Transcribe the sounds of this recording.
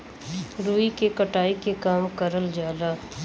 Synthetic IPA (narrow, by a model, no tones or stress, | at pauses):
ɾuːikekəʈaːikekaːmkəɾəld͡ʒaːlaː